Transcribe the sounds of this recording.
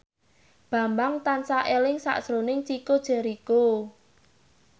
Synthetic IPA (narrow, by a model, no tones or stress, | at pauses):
b̥a̤mbaŋt̪ansaʔelɪŋsa̰ʔsɾonɪŋt͡ʃikod̥ʒ̥ɛ̤ɾiko